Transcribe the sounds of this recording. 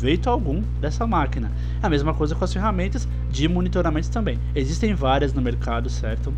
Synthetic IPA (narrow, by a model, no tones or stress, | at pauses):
vejt̪ʊawɡũ | d̪ɛsɐmakinɐ | ɐmezmɐkojzɐkõɐsfeɦamẽnt̪ɐs | d͡ʒɪmõnit̪oɾamẽnʊ̥st̪ɐ̃mbẽj̃ezist̪ẽj̃vaɾiɐznʊmeɾkad̪ʊsɛɾt̪ʊ